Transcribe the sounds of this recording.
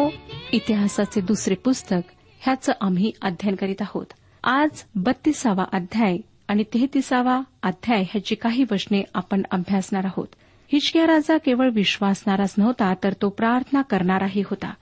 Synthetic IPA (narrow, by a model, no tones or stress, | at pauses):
oit̪iɦasat͡sed̪usɾepust̪ək | hjat͡səːʔamɦiːad̪ʱjənkəɾiːt̪aɦo̰t̪ | ad͡zbət̪ːisaʋa̰ʔad̪ʱjaj | aɽ̃it̪et̪isaʋaːd̪ʱjajɦjat͡ɕiːkaɦiːʋəʂneapəɳə̰bʱjasɳaɾaɦo̰t̪ | hit͡ɕkjaɾad͡zakeʋəɭʋiɕʋasɳaɾasnəʋt̪at̪əɾt̪opɾaɾt̪ʰənakəɾɳaɾaɦiːɦot̪a̰